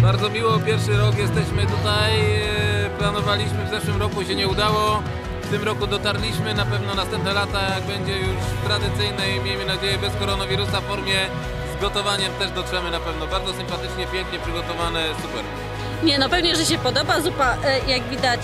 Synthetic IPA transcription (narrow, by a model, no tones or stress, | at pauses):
baɾd̪zɔmʲiwɔpʲjɛɾfʂɘɾɔkjɛst̪ɛɕmɘt̪ut̪aj | planɔvalʲiɕmɘvzɛʂwɘmɾɔkuɕɛɲɛud̪awɔ | ft̪ɘmɾɔkud̪ɔt̪aɾlʲiɕmɘnapɛvnɔnast̪ɛmp̚nɛlat̪ajaɡ̚bɛɲd͡ʑɛjuʂt̪ɾad̪ɘt̪sɘjnɛjmʲejmɘnad͡ʑejɛbɛskɔɾɔnavʲiɾusaffɔɾmʲjɛ | zɡɔt̪ɔvaɲɛmt̪ɛʐd̪ɔtʂɛmɘnapɛvnɔbaɾd̪zɔsɘmpat̪ɘt͡ʂɲɛpʲjɛ̃ŋkɲɛpʂɘɡɔt̪ɔvanɛsupɛɾ | ɲɛnɔpɛvɲɛʐɛɕɛpɔd̪ɔbazupajaɡvʲid̪at͡ɕ